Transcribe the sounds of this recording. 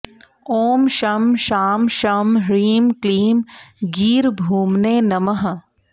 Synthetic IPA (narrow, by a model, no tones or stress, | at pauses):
oːmʃɐmʃaːmʃɐmɦɾiːmkliːmɡiːɾbʱuːmneːnɐməɦ